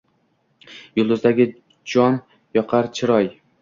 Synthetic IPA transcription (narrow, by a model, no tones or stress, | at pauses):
jʊlˠd̪ʊzd̪aɡʲɪ | d͡ʒɒn | jɒqʰɑɾt͡ʃʰɪɾɒj